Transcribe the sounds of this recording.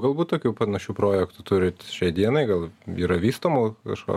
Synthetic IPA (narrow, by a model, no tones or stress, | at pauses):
ɡɐlˠbuːt̪t̪oːkʲupɐnɐʃʲuːpɾoːjɛkt̪ʊt̪ʊɾʲɪt̪ʲʃʲɛɪd̪iɛnɐɪɡɐlˠiːɾɐʋʲiːst̪oːmʊkɐ̰ʃko̰